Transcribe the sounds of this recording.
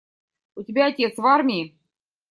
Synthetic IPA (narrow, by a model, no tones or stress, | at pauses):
utʲibʲæːt̪ʲesvɑrmʲi